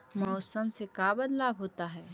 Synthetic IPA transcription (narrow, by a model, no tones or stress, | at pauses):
mɔːsəmsekaːbɐd̪laːbɦoːt̪aɦɛː